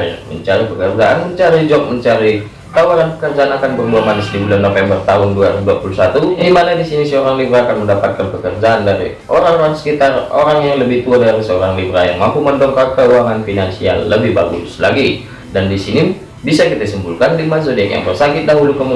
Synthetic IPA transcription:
mə̰ɲt͡ʃaɾipəkərd͡ʒaʔanməɲt͡ʃaɾid͡ʒɔk̚məɲt͡ʃaɾi | t̪awaɾanpəkərd͡ʒaanakanbərbuamanisdibulanofɛmbərt̪aɦʊnduaɾduapulusat̪uɡimanadisinisəoɾaŋlibɾaːkanməndapat̪̚kanpəkərd͡ʒaʔandaɾḭ | ʔoɾaŋoɾaŋsə̥kit̪aro̰ɾaŋjaŋləbɪht̪uadaɾisəoɾaŋlibɾaja̰ŋmampuməndɔŋkakəuaŋanfinansia̰lːəbɪhbaɡṵslaɡi | dandisini | bisakit̪asəmbulkanlimasodkja̰ŋbərsakɪt̪̚daɦulukəmu

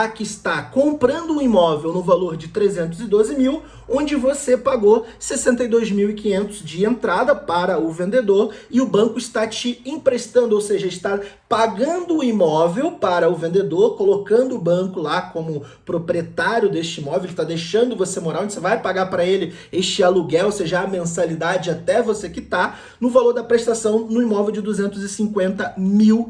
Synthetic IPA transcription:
akɪɪst̪akõmpɾɐ̃nd̪ʊũimɔvewnʊvaloɾd͡ʒɪt̪ɾezẽnt̪ʊzɪd̪ozɪmiw | õd͡ʒɪvosepaɡosesẽnt̪ɐjd̪ojzmiwɪkĩɲẽnt̪ʊzd͡ʒɪẽnt̪ɾad̪ɐpaɾɐʊvẽnd̪ed̪oɾɪʊbɐ̃ŋkʊɪst̪at͡ʃɪĩpɾest̪ɐ̃nd̪ʊowseʒɐelɪst̪a | paɡɐ̃nd̪ʊːimɔvewpaɾɐʊvẽnd̪ed̪oɾkolokɐ̃nd̪ʊːbɐ̃kʊlakõmʊ | pɾopɾiet̪aɾjʊd̪est͡ʃɪimɔvewelɪt̪ad̪ejʃɐ̃nd̪ʊvosemoɾaõd͡ʒɪsevajpaɡaɾpɾɐelɪ | est͡ʃɪaluɡɛowseʒɐɐmẽsalid̪ad͡ʒɪat̪ɛvosekɪt̪a | nʊvaloɾd̪ɐpɾest̪asɐ̃w̃nʊimɔvewd͡ʒɪd̪uzẽnt̪ʊzɪsĩkwẽnt̪ɐmiw

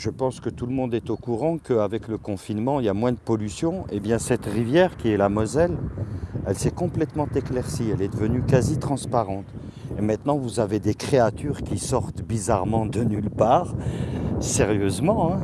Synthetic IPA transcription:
ʒəpɑ̃skət̪uləmɔ̃d̪ɛt̪okuʁɑ̃kəavɛkləkɔ̃finmɑ̃iljamwɛ̃d̪əpɔlysjɔ̃ebjɛ̃sɛt̪ʁivjɛʁkʲiɛlamwazɛl | ɛlsɛkɔ̃plɛt̪mɑ̃t̪eklɛʁsiɛlɛd̪əvənykazit̪χɑ̃spaʁɑ̃t̪ | emɛ̃t̪nɑ̃vuzaved̪ekχeat̪yʁkʲisɔʁt̪bizaʁmɑ̃d̪ənylpaːʁ | sɛʁjøzmɑ̃ɛ̃

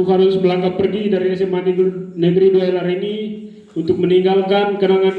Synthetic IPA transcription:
ɦaɾʊsbəlaŋkapərɡidaɾisəmannəɡɾiduailaɾini | unt̪ʊk̚məniŋɡalkankənaŋan

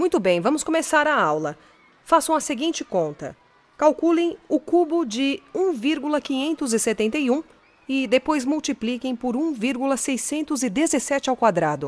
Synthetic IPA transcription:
mũj̃t̪ʊbẽj̃vɐ̃mʊskõmesaɾɐawlɐ | fasɐ̃w̃ɐseɡĩt͡ʃɪkõnt̪ɐ̰ | kawkulẽj̃ʊkubʊd͡ʒɪũviɾɡulɐkĩɲẽnt̪ʊzɪset̪ẽnt̪ejũ | ɪd̪epojzmuwt͡ʃiplikẽj̃pʊɾũviɾɡulɐsejsẽnt̪ʊzɪd̪ezesɛt͡ʃɪawkwad̪ɾad̪ʊ

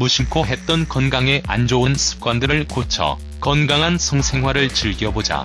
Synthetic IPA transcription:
muɕʰiŋkʰoɦe̞t̚t͈ʌnkʌnɡaŋe̞ʔand͡ʑoɯnsʰɯ̥p̚k͈wandɯɾɯɭkot͡ɕʰʌ̰ | kʌnɡaŋɦansʰʌŋsʰe̞ŋwaɾɯɭt͡ɕɯɭɡjʌbod͡ʑa̰

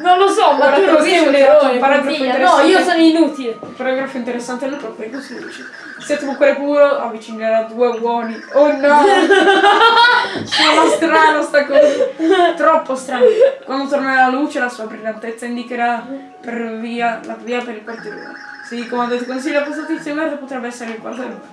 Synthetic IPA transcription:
nonlosɔmaaɾaozioeɾonepaɾaɡɾaieɾesːaiːosɔnoinut̪ilepaɾaɡɾafoint̪eɾesːant̪elupɾɔpːeɾekosiḭt͡ʃe | sɛt̪ːokukːeɾepuːɾoavːit͡ʃiŋɡeɾad̪uːebwɔːnionːɔ | soolast̪ɾaːnost̪akɔzit̪ɾɔpːost̪ɾaːnkwand̪ot̪ornaalːaluːt͡ʃelasuːabɾilant̪et̪sːaind̪ikeɾa | peɾviːalaviːapeɾilpaɾt̪eɾḛ | sikomand̪ot̪ikons̬iʎːoapːost̪at̪it̪sioivɛrd̪opot̪ɾɛbːɛsːeɾeikwa̰ɾd̪aɾ

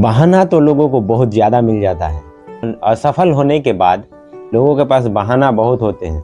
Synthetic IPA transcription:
baɦaːnat̪oloːɡõkobɐɦʊt̪zjaːd̪amɪld͡ʒaːt̪a̰ɦɛː | nɔːsɐfʰəlɦoːnekebaːd̪ | loːɡõkepaːs̬baɦaːnabɐɦʊt̪ɦoːt̪eɦɛ̃ː

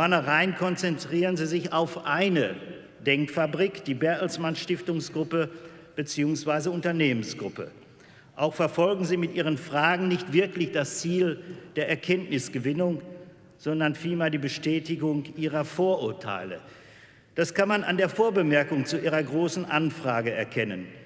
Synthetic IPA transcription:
fɔɐnəʁaɪnkʰɔnt͡sɛntʁ̥iːʁənziːzɪçaʊfʔaɪnə | d̥ɛŋkfabʁiːkd̥iːbɛɐtl̩smanʃtɪftʊŋsɡ̥ʁʊpə | b̥ət͡siːʊŋsv̥aɪzəʊntɐneːmənsɡ̥ʁʊpə̰ | ʔaʊxfɛɐfɔlɡŋ̩ziːmɪtʔiːʁ̞ənfʁ̥aːɡŋ̩nɪçtv̥ɪɐklɪçd̥ast͡siːld̥eːɐʔɛɐkʰɛntnɪsɡ̥əvɪnʊŋ | z̥ɔndɐnfiːlmeːɐdiːbəʃtɛːtɪɡʊŋʔiːʁɐfoːɐʔʊɐtʰa̰ɪlə̰ | d̥askanmana̰ndeːɐfoːɐbəmɛɐkʊŋt͡suʔiːʁɐɡʁoːsn̩ʔanfʁ̥aːɡəɛɐkʰɛnən

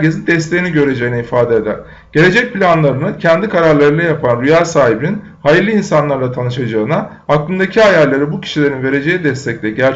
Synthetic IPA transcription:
ɟezind̪ɛst̪ʰe̞jiniɟø̞ɾe̞d͡ʒejinɛifaːd̪eed̪æ̰ɾ̥ | ɟ̥e̞lʲe̞d͡ʒɛc̚pilʲanlˠaɾɯnɯcʰɛnd̪ikʰaɾaɾlˠaɾɯnajapʰanɾyjaːsaːɦibinin | hajiɾlʲiːnsanlˠaɾlˠat̪ʰanɯʃad͡ʒaɯna | aklˠɯnd̪acʰiajalʲlːʲeɾibucʰi̥ʃilʲeɾinve̞ɾe̞d͡ʒe̞jid̪ɛst̪ʰɛc̚lʲɛɟæɾ

